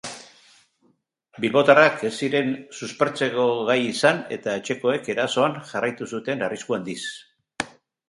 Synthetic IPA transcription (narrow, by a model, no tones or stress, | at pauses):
bilβo̞t̪arake̞siɾe̞nsuspe̞ɾt͡se̞ko̞ɣajisane̞̰t̪ae̞t͡ʃe̞ko̞e̞ke̞ɾaso̞anʝarajt̪usut̪e̞nariskuand̪is